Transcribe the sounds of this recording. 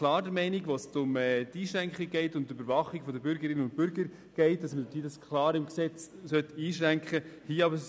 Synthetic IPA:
klɑːɾdəɾmɛɪniɡʋostʊmɛːt̪iːʃɾæŋkχik̚ɡɛɪtʊntːøbəɾvɑχːɪɡ̥fɔdəbʏɾɡəɾɪnəʊnt̚pʏɾɡəɾ | ɡ̥ɛɪt̚dɑsmədtidɑskʰlɑːɾɪmksɛt͡s | sœtiːʃɾæŋkχəhiːɑbə

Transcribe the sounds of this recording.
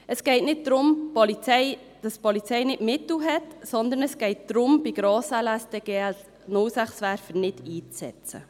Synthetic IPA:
əsɡ̥ɛɪtnɪt̚d̥̪ɾʊmpɔlit͡sɛɪ | d̥ɑspɔlit͡sɛɪnɪtmɪtl̩ɦɛtsɔnd̪ənəsɡ̥ɛɪt̚d̪̥ɾʊmbiɡ̥ɾɑːsælæsd̥̪ɛɡ̥eːɛls | nʊlsæχsʋæɾfənɪdiːt͡sɛ̰t͡sə̰

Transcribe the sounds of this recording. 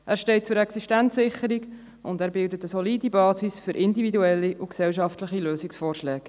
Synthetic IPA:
ʔæːɾʃtɛɪt̚t͡sʊɾɛksiʃtænt͡sːɪχəɾiɡ | ʊndæːɾbɪldətəsɔliːdibɑːsisfʏɾʔɪndividuɛlːiʔuksɛlʃɑftləχiløːsɪksfɔːrʃlɛːk

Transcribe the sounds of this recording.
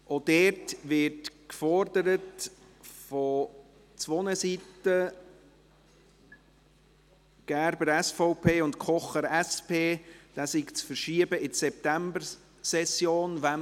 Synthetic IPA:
ʔod̥ɛtʋɪtkfɔɾdəɾət | fɔ | t͡sʋɔnəsitə | ɡ̥æɾbəɾɛsfɔʊpʰeːʊntkʰɔχəɾɛspeːd̥aːsikt͡sfəɾʃiəbəɪsɛp̚tæmbəɾ | sɛsjoːnʋa

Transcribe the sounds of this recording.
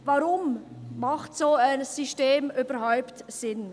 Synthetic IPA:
vaʁʊmmaχtsoːaɪnsyʃteːmʔyːbɐhaʊptsɪn

